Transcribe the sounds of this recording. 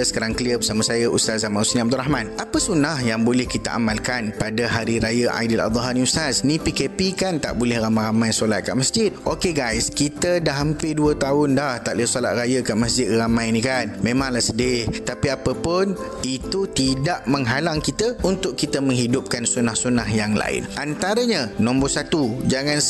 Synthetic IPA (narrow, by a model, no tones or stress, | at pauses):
səkaɾaŋkəliəbəsamãsajaʔust̪azamanusnĩab̚d̪uraɦmãnʔapəsunahjaŋbolɛhkit̪aʔa̰malkanpadaɦaɾiɾajaʔa̰jdala̰d̪ˤɔɦaniusasnĩpikepikant̪a̰ʔbolɛhramãjɾamãjsolat̪̚ka̰ʔmasd͡ʒɪt̪̚ʔokeɡajskit̪ədaɦampɪduət̪aʊndaht̪aʔlisolat̪̚rajakaʔmasd͡ʒɪt̪̚ramãjnĩkanmẽmãŋlahsədɪht̪apiapəpʊn | it̪ut̪idaʔmə̃ŋɦalaŋkit̪əunt̪ʊʔkːit̪əmə̃ŋɦidʊp̚kansunahsunahjaŋla̰ɪ̰nʔant̪aɾəɲãnɔ̃mbɔsat̪ud͡ʒaŋãn